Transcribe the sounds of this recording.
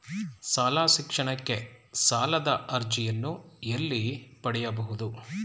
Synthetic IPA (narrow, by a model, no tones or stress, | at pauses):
saːlaːʃikʂɐɳɐkːe̞saːlɐd̪ɐʔɐɾd͡ʒijɐnːuelːipɐɽɛjɐbɐɦud̪u